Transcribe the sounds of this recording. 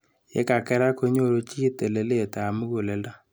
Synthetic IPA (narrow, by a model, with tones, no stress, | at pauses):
jḛ˦ka˨kɛ˦ɾa˦ko˦ɲo˦˨ɾo˦t͡ʃi˦te˨le˨le˦˨ta˨mu˦ɣo˨le˨la˦